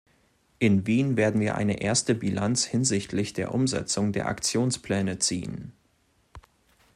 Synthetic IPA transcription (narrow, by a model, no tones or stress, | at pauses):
ʔɪnviːnveːɐdn̩viːɐʔa̰ɪnəʔeːɐstəbilant͡shɪnzɪçtʰlɪçd̥eːɐʔʊmzɛ̰t͡sʊŋdeːɐʔa̰kt͡sjoːnspl̥ɛːnət͡sḭːən